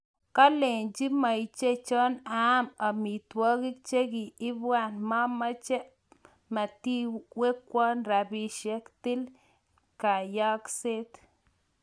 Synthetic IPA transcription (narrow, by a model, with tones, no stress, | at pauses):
ka˦le˨nd͡ʒi˦ma˨jt͡ʃe˦t͡ʃɔ˦na˦ma˨mi˨t̪wo˦ɡi˦k̚t͡ʃe˦ɡi˨i˦bwa˦˨nma˦ma˦t͡ʃe˦ | ma˨t̪i˦we˦kʷɔ˦nɾa˨bi˨ʃe˦kt̪i˦l | ka˨ja˦kse˦t̪